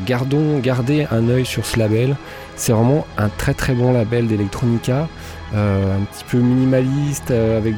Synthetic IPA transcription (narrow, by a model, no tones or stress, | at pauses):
ɡaʁd̪ɔ̃ɡaʁd̪eɛ̃nœjsyʁsəlabɛl | sɛvʁɛmɑ̃ɛ̃t̪χɛt̪χɛbɔ̃labɛld̪elɛk̚t̪χɔnikʲa | øɛ̃pət̪ʰi̥pʰøminimalist̪øavɛk̚